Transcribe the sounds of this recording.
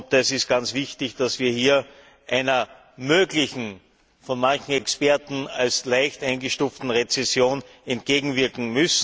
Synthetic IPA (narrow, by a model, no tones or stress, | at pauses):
p̚dɛsɪstɡ̥ant͡sv̥ɪçtɪçd̥asv̥iːɐhiːɐ | ʔæɪnɐ | møːɡlɪçn̩ | fɔnmançŋ̩ɛkspɛɐtn̩alslæɪçtaɪnɡəʃtuːftn̩ʁet͡sɛsjoːn | ɛntɡ̥eːɡŋ̩vɪɐkŋ̩mʏs